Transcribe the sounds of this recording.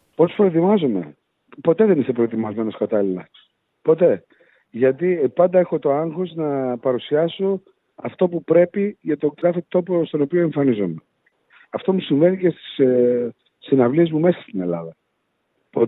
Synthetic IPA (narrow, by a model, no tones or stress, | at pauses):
po̞spɾoet̪imɐzome̞̰ | po̞t̪e̞ðe̞nist̪epɾo̞et̪imɐzme̞no̞skɐt̪ɐlilɐ | po̞t̪e̞ | ʝɐt̪ipɐnd̪ɐe̞xo̞t̪o̞ɐŋxoznɐpɐɾusiɐso̞ | ɐft̪o̞pupɾe̞piʝɐt̪o̞ɡɾɐfit̪o̞post̪o̞no̞pio̞e̞ɱfɐnizome | ɐft̪o̞musiɱve̞nicest̪i̥s | sinɐvliezmume̞sɐ̥st̪ine̞̰lɐðɐ | po